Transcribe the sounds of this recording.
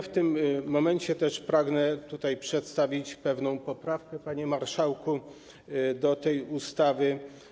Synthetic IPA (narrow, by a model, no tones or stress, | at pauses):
ft̪ɘmːɔmɛɲt͡ɕɛt̪ɛʂpɾaɡnɛt̪ut̪ajpʂɛt̪st̪avʲit͡ɕpɛvnɔ̃w̃pɔpɾafkɛpaɲɛmaɾʂawku | d̪ɔt̪ɛjust̪avɘ